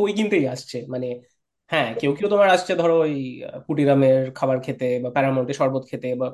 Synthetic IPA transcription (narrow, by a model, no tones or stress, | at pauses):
ojkint̪ejaʃt͡ɕʰemane | hɛ̃kewkewt̪omaɾaʃt͡ɕʰed̪ʱɔɾoojpuʈiɾameɾkʰabaɾkʰet̪ebapɛɾamoɳʈeɾʃɔɾbot̪kʰet̪eba